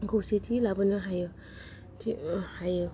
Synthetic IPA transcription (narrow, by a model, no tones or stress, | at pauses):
ɡositʰilabənɯɦajɯ | tʰihajɯ